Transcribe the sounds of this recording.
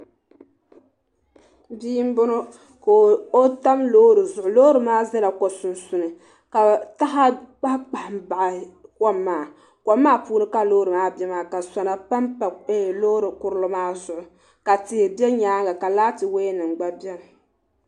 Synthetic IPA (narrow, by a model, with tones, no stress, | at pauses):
biː˦m˦bʊ˦nɨ˦ | ko˨o˦ta˦mloː˦ɾɨ˨zʊ˨ʔʊ˨lo˦ɾɨ˨maː˦za˦la˨kɔ˨sʊ˨n˨sʊ˨nɨ˨ | ka˨ta˦ɦa˦k͡pa˦k͡pa˨hmba˨ʔa˨kɔ˦mːaː˨ | kʷɔ˦mːaː˦puː˦nɨ˦ka˦loː˦ɾɨ˨maː˦bɛ˦maː˨ka˨sa˨na˨pa˦mpa˨e˦˨lo˦ɾɨ˨kʊ˦ɾɨ˦lo˦maː˦zʊ˨ʔʊ˨ | ka˨tɪ˨hɪ˨bɛ˦ɲaː˦ŋɡa˨ka˨laː˦tɨ˨we˦nɨ˨ŋ͡mɡ͡ba˦bjɛ˦m˨